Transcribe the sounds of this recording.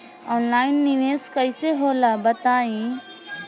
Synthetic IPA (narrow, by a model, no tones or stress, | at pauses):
ɔːnlaːɪnːɪʋeːskəɪseɦoːlabət̪aːĩ